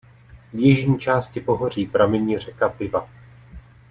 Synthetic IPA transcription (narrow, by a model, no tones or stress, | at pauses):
vjɛʒɲiːt͡ʃaːscɪpo̞ɦor̝iːpɾamɛɲiːr̝ɛkapɪva